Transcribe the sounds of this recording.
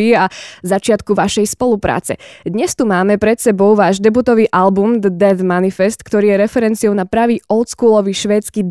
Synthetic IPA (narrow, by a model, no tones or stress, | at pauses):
iazat͡ʃɪat̪kuʋaʃɛjspɔlupɾa̰ːt͡sɛ̰d̪ɲɛst̪umaːmɛpɾɛt̪sɛbɔʊʋaːʒd̪ɛbuːt̪ɔʋiːʔalbumd̪əd̪ɛvmanifɛst̪kt̪ɔɾiːjɛɾɛfɛɾɛnt͡siɔʊnapɾaʋiːɔlt̪skuːlɔʋiːʃʋɛːt͡skiːd̪